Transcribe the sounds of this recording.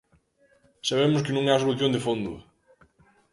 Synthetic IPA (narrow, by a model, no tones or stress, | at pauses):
saβ̞emʊskɪnũŋɛɐsoluθjõnd̪ɪfond̪ʊ̰